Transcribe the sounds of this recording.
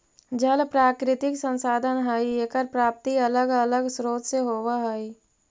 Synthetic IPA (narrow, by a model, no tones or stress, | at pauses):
d͡ʒəlpɾaːkɾɪt̪ɪksə̃nsaːd̪ʱənɦəieːkəɾpɾaːp̚t̪iələɡələɡsɾoːt̪seɦoːʋaɦəi